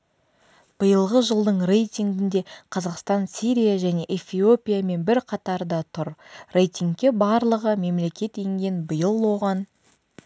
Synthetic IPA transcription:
b̥əjəlˠʁəʒəlˠd̪əɴre̞jt̪ʲiŋɡʲɪnd̪e̞qʰɑzɑqst̪ɑnsiɾijaʒæne̞ʔefio̞pʲijame̞nbɪɾqʰɑt̪ɑɾd̪ɑt̪ʰʊɾre̞jt̪ʲiŋɡkʲːe̞bɑɾlˠəʁəme̞mle̞kʲe̞t̪e̞ŋɡʲe̞nbəjəlˠwo̞ʁɑn

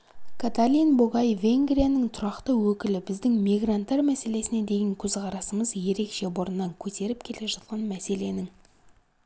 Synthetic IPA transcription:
kʰat̪alʲinboɡɑjve̞ŋɡrʲijanəŋt̪ʰʊɾɑqt̪əwɵkʲɪlɪbɪzd̪ɪŋmijɡrant̪ːɑɾmæse̞le̞sɪne̞d̪e̞jeŋkʲʰɵzqɑɾɑsəməzje̞ɾe̞kʃe̞boɾənːɑŋkʲʰɵt̪e̞ɾɪp̚kʲʰe̞le̞ʒɑt̪̚qɑnmæse̞le̞nɪŋ

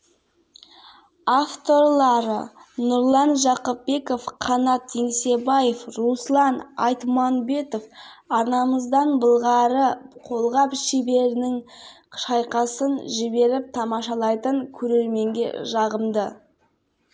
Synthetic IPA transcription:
aft̪o̞ɾlˠɑɾə̰nʊɾlˠɑnʒɑqəp̚be̞ko̞fqʰɑnɑt̪ʰːeŋse̞bɑje̞fɾuslˠɑnɑ̰jt̪mɑnbe̞t̪o̞fɑɾnɑməzd̪ɑnbəlˠʁɑɾəqʰo̞lˠʁɑpʃebe̞ɾɪnɪŋ | ʃɑjqɑsənʒɪbe̞ɾɪp̚t̪ʰɑmɑʃɑlˠɑjt̪əŋkʲʰɵɾe̞ɾme̞ŋɡʲe̞̰ʒɑʁəmd̪ə

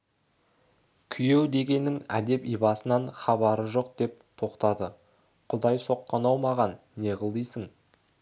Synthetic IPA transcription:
kʲʰʏje̞wd̪e̞ɡʲe̞nːɪŋæ̰d̪e̞pijbɑsənɑɴχɑbɑɾəʒo̞q̚d̪e̞p̚t̪ʰo̞qt̪ɑd̪ə | qʰʊd̪ɑjso̞qːɑnɑwmɑʁɑnːe̞ʁəlˠd̪ijsəŋ

